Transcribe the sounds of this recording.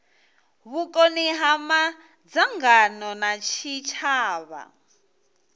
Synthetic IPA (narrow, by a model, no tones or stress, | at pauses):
βukʼɔniɦama | d͡zaŋɡanɔnat͡ʃʰit͡ʃʰaːβa̰